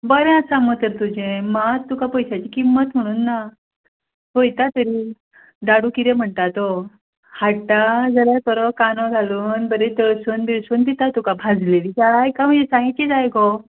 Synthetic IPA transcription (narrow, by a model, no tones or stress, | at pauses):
bəɾɛ̃asamət̪əɾt̪ud͡ʑẽmat̪ːukapɔjsat͡ɕikimːət̪m̤əɽ̃uːnːa | ɦojt̪at̪əɾi | d̪aɽukit̪ẽm̤əɳt̪at̪o | haʈad͡zəɾat̪ɔɾɔkanɔɡʱaluːnbəɾet̪əɭsuːnd̪isuːnd̪it̪at̪ukabʱad͡zlelikaɭajkam̤əɳd͡zesãŋɡit͡ɕid͡zajɡɔ